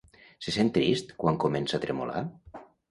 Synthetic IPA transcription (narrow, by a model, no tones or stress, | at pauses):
sesent̪ːɾist̪kwaŋkomensat̪ɾemo̰la̰